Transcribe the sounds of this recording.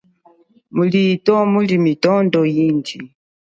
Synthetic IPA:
mulitɔmulimitɔndɔjind͡ʒi

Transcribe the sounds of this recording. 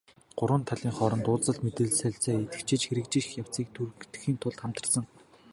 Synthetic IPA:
ɢ̥ʊɾwə̆nt̪ʰaɮʲiːŋχɔɾɞ̆nt̪ʊːt͡sə̆ɮt̪met̪ɘ̆ɮsæɬt͡sæːet̪ɘ̥̆kt͡ɕʰĕt͡ɕxeɾɘ̆k̚t͡ɕĭjaw̥t͡siːk̚t̪ʰurt̪̆xiːnt̪ʰʊɮt̪χam̥t̪ə̆sə̆ŋ

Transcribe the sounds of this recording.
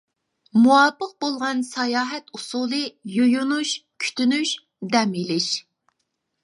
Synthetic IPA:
muwɑːpəq̚bolˠʁɑnsɑjɑːɦɛt̪usuːlˠɨjojunuʃkʲʰy̥t̪ʰynyʃ | d̪ɛmilɪʃ

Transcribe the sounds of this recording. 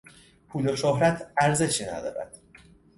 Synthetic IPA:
pʰuːloʃoɦɾæt̪ʰæɾze̞ʃiːnæ̰d̪ɒ̰ːɾæ̰d̪̥

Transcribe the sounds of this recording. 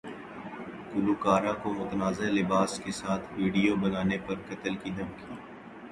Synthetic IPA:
kʊluːkaːɾãkomʊt̪ənaːzelɪbaːskesaːt̪ʰʋiːɖijobɐnaːnepɐɾkɐt̪əlkid̪ʱɐmkiː

